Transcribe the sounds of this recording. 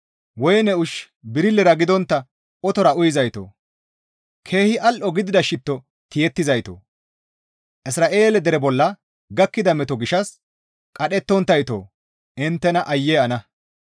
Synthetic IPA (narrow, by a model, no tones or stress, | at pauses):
wɔjnɛʊʃ | bɪɾɪlːɛɾɐɡɪd̪ɔnt̪ːɐ | ʔɔt̪ɔɾɐʔʊjɪzɐjt̪o̰ː | kʰe̞ːhɪʔɐlʔɔɡɪd̪ɪd̪ɐʃɪt̪ːɔ | t̪ɪjɛt̪ːɪzɐjt̪o̰ː | ʔɪsɾaːʔe̞ːlɛd̪ɛɾɛbɔlːɐ | ɡɐkːɪd̪ɐmɛt̪ɔɡɪʃɐs | kʼɐɗɛt̪ːɔnt̪ːɐjt̪o̰ː | ɪnt̪ːɛnɐʔɐjːɛɐnɐ